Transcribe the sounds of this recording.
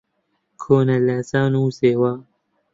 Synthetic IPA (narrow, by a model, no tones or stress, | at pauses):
kʰoːnɐlasaːnuːseːwaː